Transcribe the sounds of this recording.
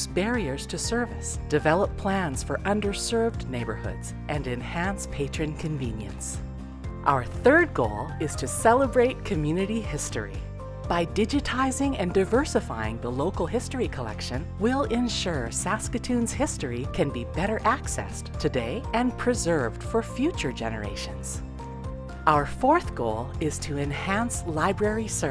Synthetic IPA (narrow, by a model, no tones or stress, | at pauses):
sb̥ɛɹiə˞z̥tʰɨsɜ˞vɨ̰sd̥ɨvɛlˠəpʰl̥æ̃nz̥fə˞ʔʌ̃ndə˞sɜ˞vdneɪbə̰˞hʊ̰dz̥ | ʔɨ̃nɨ̃nhæ̃nspʰeɪt͡ʃɹ̥ɨ̃nkʰɨ̃ɱvḭ̃njɨ̰̃ns | ʔa̰ʊə˞θɜ˞d̚ɡoʊlˠɪz̥tʰɨsɛlˠəbɹeɪt̚kʰɨmjʉnɨɾihɪstə̰˞ḭ | b̥aɪdɪd͡ʒɨtʰaɪzɪ̃ŋɨ̃ndaɪvɜ˞sɨfa̰ɪɪ̰̃ŋðəloʊkl̩ˠɦɪstɹikʰəlɛ̰kʃɨ̃nwɪlˠɪ̃nʃʊɹsæskɨtʰʉ̃nz̥hɪstɹəikʰɨ̃nbibɛɾə˞ʔæksɛ̰s | tʰɨdeɪɨ̃npʰɹ̥ɨzɜ˞vd̥fə˞fjʉt͡ʃə˞d͡ʒɛ̰nə̰˞ḛɪʃɨ̃nz̥ | ʔaʊə˞fɔɹθɡ̥oʊlˠɪz̥tʰɨɨ̃nhæ̃nslaɪbɹɛɹisɜ